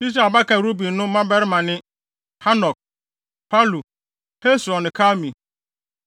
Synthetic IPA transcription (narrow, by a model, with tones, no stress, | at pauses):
i˦s̬ɾa˨ba˦kʰã˨ɾu˦bi˨nʊ̃˦mã˦bɛ˦ɾɪ˦mã˨nɪ̃˦ | ha˦nɔ˨k̚ | pʰa˦lu˨ | he˦sɔ̃˨nɪ̃˨kʰa˦mĩ˨